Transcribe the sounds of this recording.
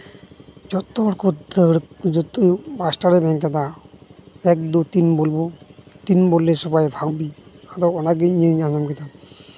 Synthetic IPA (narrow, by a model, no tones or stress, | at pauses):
d͡ʒɔt̪ːɔbɔɾkʰɔd̪əɽd͡ʒɔt̪ːujbasʈaɾɛbʱɛ̃ŋkat̪a | ɛk̚d̪ut̪inbolbɔt̪inbɔlːesɔbajbʱaɡbiaɾɔwɔnaɡiɲiɲaɲɔmkɛt̪a